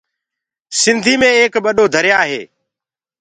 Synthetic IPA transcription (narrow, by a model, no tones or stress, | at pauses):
sɪnd̪ʱiːmẽːeːkɓəɗoːd̪ʱəɾjaːɦḛː